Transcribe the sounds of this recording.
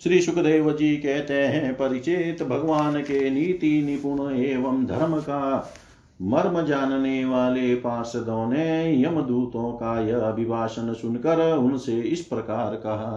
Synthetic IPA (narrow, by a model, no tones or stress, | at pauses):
ʃɾiːʃukd̪eːʋɐd͡ʒiːkɛɦt̪ẽːɦɛ̃pɐɾit͡ʃeːt̪bʱɐɡʋaːnkeːniːt̪inipuɳ̃ɐeːʋɐmd̪ʱɐɾmɐkaː | mɐɾmɐd͡ʒaːnneːʋaːlepaːɾʃɐd̪õːnejɐmɐd̪uːt̪õːkajɐɐbʱibʱaːʃɐnʃʊnkɐɾʊnseɪspɾɐkaːɾkɐɦɐ